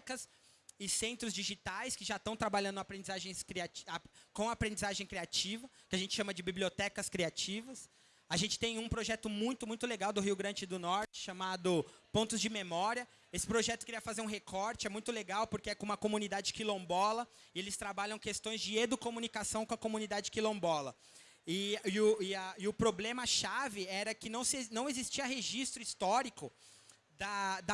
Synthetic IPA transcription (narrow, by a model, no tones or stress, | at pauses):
kɐs | ɪsẽnt̪ɾʊzd͡ʒiʒit̪ajskɪʒat̪ɐ̃w̃t̪ɾabaʎɐ̃nd̪ʊapɾẽnd͡ʒizaʒẽj̃skɾiat͡ʃakõw̃apɾẽnd͡ʒizaʒẽj̃kɾiat͡ʃivɐkɪaʒẽnt͡ʃɪ̥ʃɐ̃mɐd͡ʒɪbibliot̪ɛkɐskɾiat͡ʃivɐs | aʒẽnt͡ʃɪ̥t̪ẽj̃ũpɾoʒɛt̪ʊmũj̃t̪ʊmũj̃t̪ʊleɡawd̪ʊɦiʊɡɾɐ̃d͡ʒɪɪd̪ʊnɔɾt͡ʃɪ̥ʃamad̪ʊpõnt̪ʊzd͡ʒɪmemɔɾiɐ | esɪ̥pɾoʒɛt̪ʊ̥keɾiɐfazeɾũɦekʰɔɾt͡ʃɪɛmũj̃t̪ʊleɡawpoɾkeɛkõũmɐkomunid̪ad͡ʒɪkilõbɔlɐ | ɪelɪst̪ɾabaʎɐ̃w̃kest̪õj̃zd͡ʒɪed̪ʊkomunikasɐ̃w̃kõɐkomunid̪ad͡ʒɪkilõbɔlɐ | ɪɪʊɪɐɪʊpɾoblẽmɐʃavɪɛɾɐkɪnɐ̃w̃snɐ̃w̃ezist͡ʃiɐɦeʒist̪ɾʊist̪ɔɾikʊ | d̪ɐd̪ɐ